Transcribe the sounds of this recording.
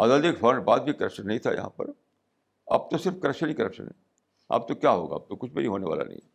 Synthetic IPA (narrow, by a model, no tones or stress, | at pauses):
a̰ːd̪aːd̪ɪkfɐɾɳɖbaːd̪̚bʱikɐɾəkʃənːɐɦĩt̪ʰajɐ̰ɦã̰pɐ̰ɾ | a̰ːp̚t̪osɪɾfkɐɾəkʃənikɐɾəkʃə̰nɦɛ̰̃ | a̰ːp̚t̪okjaɦo̰ːɡa̰ːp̚t̪okʊt͡ʃʰbʱiɾiɦoːneʋa̰ːla̰nɐ̰ɦḭ̃